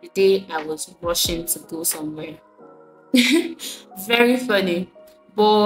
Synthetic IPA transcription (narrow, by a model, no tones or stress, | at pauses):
tɨdeaɪwɔzɹɔʃɪ̃ŋtʰuɡosʌ̃mwɛ | vɛɹifʌni | bɔ